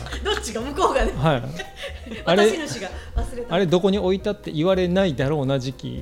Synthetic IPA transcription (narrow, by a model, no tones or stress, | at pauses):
d̪ot͡ɕːiɡamɯ̟koːɡad̪ehai | aɾeinoɕiɡaβasɨɾet̪aɾe̞d̪o̞ko̞ɲ̟io̞it̪at̪ːe̞̰ʔiβaɾe̞naid̪aɾo̞ːnaʑikʲḭ